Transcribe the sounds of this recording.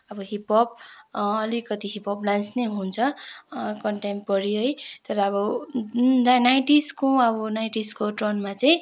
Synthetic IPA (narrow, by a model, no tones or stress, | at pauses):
ʌbʌɦipʌp̚ʌlikʌt̪iɦipʰʌplansneɦunt͡sʰʌ | kʌɳʈempʌɾiʌjt̪ʌɾʌʌβʌ | anajʈiskoʌbʌnajʈiskoʈronmat͡saĩ